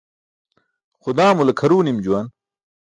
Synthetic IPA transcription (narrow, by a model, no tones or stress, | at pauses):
xʊd̪aːmulɐkʰɐɾuːnimd͡ʑuwɐn